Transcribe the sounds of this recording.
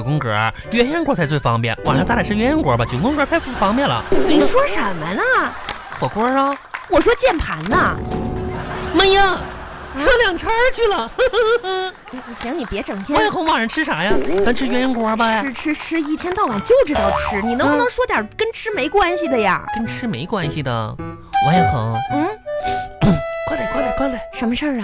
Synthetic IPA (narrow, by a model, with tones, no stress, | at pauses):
kʊ˥ŋkə̰˧˥˧ | ɥɛ˧˥njɛ˥nkwɔ˧˥kʰa˥˧t͡swe˥˩ɪfɑ̰˥ŋpjɛ̰˥˩nwa˨˩ʂt̪a˥˩˥ʂɻ̩˥˩ɥɛ˥jɛ˧˥nkwɔ̰˧˥bɐ˧t͡ɕjo˨˩kʊ˥ŋkə˧˥a˥˩ɪfu˥˩fɑ˥ŋpjɛ˥˩nlə̰˩ni˨˩ʂwɔ˥ʂə˨˧˩mə˦nə˥˧ | xwɔ˨˩kwɔ˥ə˧ | wɔ˨˩ʂwɔ˥t͡ɕjɛ˥˩npʰa̰˧˥nnə˧ | mə˥˩jɑ˥˩ | ʂɑ˥ljɑ˨˩ŋʈ͡ʂʰɑ˥t͡ɕʰy˥˩lə˩˧˩ | ɕɑ˧˥ŋni˨˩pjɛ˧˥ʈ͡ʂɤ˨˩ŋt̪ʰjɛ˥˧˥jɛ˧˥xɤ˧˥ŋwa˥˩ɻə˧˥nʈ͡ʂʰɻ̩˥ʂa˨˩˥ja˥˧t̪a˥nʈ͡ʂʰɻ̩˥˧ɥɛ˧˥njɛ˧˥nkwbɐ˧ɻ̩˥ʈ͡ʂʰɻ̩˥ʈ͡ʂʰɻ̩˥i˥˩t̪ʰjɛ˥nt̪ɑ˥˩ʊwa˨˩nt͡ɕjo˥˧ʊʈ͡ʂɻ̩˥˧t̪ɑ˥˧˩ʊʈ͡ʂʰɻ̩˥ni˨˩nɤ˧˥ŋ˧n˧˥ŋʂwɔ˥t̪jɑ˨˩kə˥nʈ͡ʂʰɻ̩˥me˧˥ɪkwa˥nɕi˨d̪ə˨ja̰˨˩kə˥nʈ͡ʂʰɻ̩˥me˧˥ɪkwa˥nɕi˨d̪ə̰˩ | wɔ˧˥jɛ˨˧˩xɤ̰˧˥˦ŋn̩˥˩˥ | kwɔ˥t̪a˨˩kwɔ˥t̪a˨˩kɔ˥le˨˩˦ʂə˧˥nmə˧ʂə˥˩ə˩